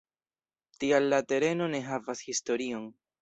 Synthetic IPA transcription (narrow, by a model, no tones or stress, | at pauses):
tialːate̞ɾe̞no̞ne̞ɦavashisto̞ɾio̞n